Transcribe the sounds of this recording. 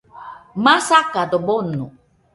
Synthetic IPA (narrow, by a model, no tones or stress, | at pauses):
masakadobonu